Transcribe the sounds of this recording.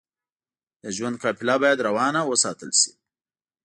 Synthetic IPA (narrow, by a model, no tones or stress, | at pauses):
d̪əʒwand̪̚kʰɑpɪlɑbɑjad̪ɾawɑnawəsɑt̪əlʃi̥